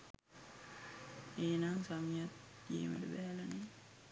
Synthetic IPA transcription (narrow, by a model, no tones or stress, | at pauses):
eːnaŋsamijat̪ | jḛːmə̰ʈəbæɦælane